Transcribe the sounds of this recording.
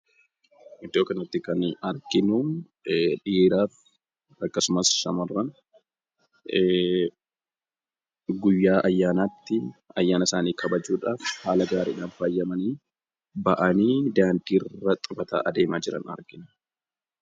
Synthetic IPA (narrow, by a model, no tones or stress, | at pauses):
ʔɪd̪oːkːɐnɐt̪ːɪkɐnɐɾkɪnʊ | ᶑiːɾaːf | ɐkːɐsʊmɐsʃɐmɐrːɐn | ɡʊjːaːʔɐjːaːnaːt̪ːɪɐjːaːnɐsaːniːkʰɐbɐd͡ʒuːᶑaːfhaːlɐɡaːɾɪɪᶑaːnfaːjːɐmɐniː | bɐʔɐniːd̪aːnd̪iːrːɐt̪ʼʊfɐt̪a̰ːʔɐd̪e̞ːmaːd͡ʒɪɾɐ̰nɐ̰ɾkɪn